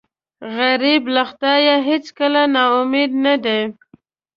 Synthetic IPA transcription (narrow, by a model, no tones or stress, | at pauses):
ɣaɾiblaxt̪ɑjaɦɪt͡skəlanaʊmed̪nad̪e